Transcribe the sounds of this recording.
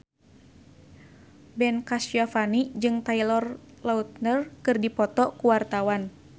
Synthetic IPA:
bɛnkasiafanid͡ʒɨŋt̪ailɔrlaut̪̚nərkɨrdipɔt̪ɔkuwart̪awan

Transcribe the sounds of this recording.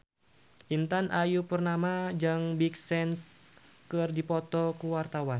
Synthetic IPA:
ʔint̪anʔajupərnamad͡ʒaŋbiksɛn | kɨrdipɔt̪ɔkuwart̪awa

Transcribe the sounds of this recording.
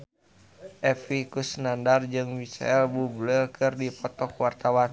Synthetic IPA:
ʔɛfikusnandard͡ʒɨŋmisa̰ɛlbubləlkʰɨrdipɔt̪ɔkwart̪awan

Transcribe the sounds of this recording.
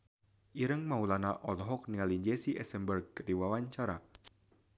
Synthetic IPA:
ʔiɾəŋmaulanaʔɔlɦɔk̚niŋaliɲd͡ʒɛsiʔɛsəmbərɡ̚kərdiwawaɲt͡ʃaɾa

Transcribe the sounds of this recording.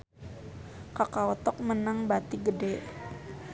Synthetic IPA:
kakawɔt̪ɔk̚mənaŋbat̪iɡədɛʔ

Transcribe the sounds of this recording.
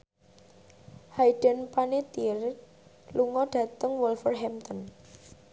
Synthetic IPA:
hajɖ̥ə̤npanet̪iɾɪt̪ | luŋɔɖ̥ä̤t̪əŋwulfərɦɛmt̪ɔn

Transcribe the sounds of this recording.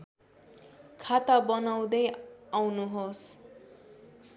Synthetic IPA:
kʰat̪abʌnawd̪ʌjawnuɦos

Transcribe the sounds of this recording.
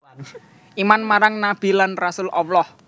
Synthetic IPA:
ʔimanmaɾaŋnab̥i̤lanrasʊlɔwlɔh

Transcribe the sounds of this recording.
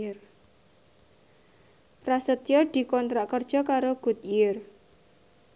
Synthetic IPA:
r | rasət̪jɔd̪̥i̤kɔnt̪ɾaʔkərd̥ʒ̥ɔ̤kaɾoɡ̥ṳt̪̚jɪr

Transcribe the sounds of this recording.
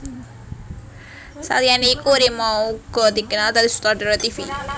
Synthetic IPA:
sa̰lianeikuɾimawuɡ̥ɔ̤d̪i̤ɡənald̪ad̪isu̥t̪ɔɖɛɾot̪ifḭ

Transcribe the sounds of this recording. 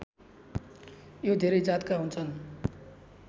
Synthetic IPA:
jod̪ʱeɾʌjd͡zat̪kaɦunt͡sʰʌn

